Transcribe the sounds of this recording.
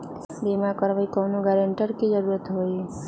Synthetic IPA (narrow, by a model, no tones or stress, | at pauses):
bimakəɾʋəjkɔnũɡaɾəɳʈəɾkid͡ʒəɾuɾət̪ɦoj